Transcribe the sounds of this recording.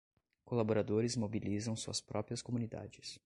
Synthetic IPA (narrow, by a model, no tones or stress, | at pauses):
kolaboɾad̪oɾɪzmobilizɐ̃w̃suɐspɾɔpɾiɐskomunid̪a̰d͡ʒɪs